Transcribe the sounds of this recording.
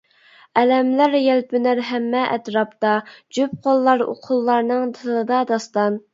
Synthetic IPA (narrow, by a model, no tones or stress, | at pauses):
ɛlɛmlæɾjɛlpɪnæɾɦɛmːɛʔɛ̰t̪ɾɑpt̪ɑd͡ʒyp̚qʰolˠːɑɾo̰qʰʊlˠːɑɾnɨŋt̪ʰɨlˠɨd̪ɑd̪ɑst̪ɑn